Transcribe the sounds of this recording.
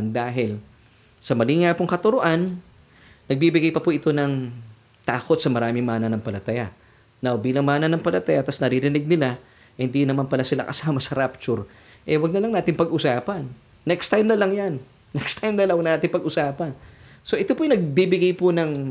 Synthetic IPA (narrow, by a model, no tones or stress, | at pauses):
nd̪aːɦɪl | sɐmɐliŋapʊŋkɐt̪ʊɾoʔanː | ɐɡ̚bibɪɡajpɐpʊʔɪt̪o̞nɐŋ | t̪aːko̞t̪̚sɐmɐɾaːmɪŋmaːnɐnɐŋpɐlɐt̪ɐja | nawbiːlɐŋmaːnɐnɐŋpɐlɐt̪ɐjat̪ɐsnɐɾɪɾɪnɪɡ̚nɪla | hɪnd̪inɐmanpɐlasɪla̰kɐsaːmɐsɐɾap̚t͡ʃʊɾ | ʔɛwɐɡ̚nɐlɐŋnaːt̪ɪŋpɐɡʔʊsaːpɐnː | ɛkst̪ajmnɐlɐŋjanː | ɛkst̪ʰajmnɐlɐnʔaːt̪ɪŋpɐɡʔʊsaːpɐnso̞ʔɪt̪opojnɐɡ̚bibɪɡajpʊnɐŋ